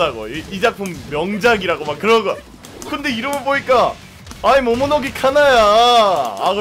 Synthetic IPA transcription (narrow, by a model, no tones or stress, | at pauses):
aɡoiid͡ʑak̚pʰɯmːjʌŋd͡ʑaɡiɾaɡomak͈ːɯɾʌɡɯ | kɯnde̞iɾɯmɯɭboɲik͈a | aimomunʌɡikʰanaja | a